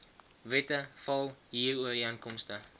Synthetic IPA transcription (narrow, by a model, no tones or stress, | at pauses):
vɛtəfɐlˠɦiːruəriənkɔmstə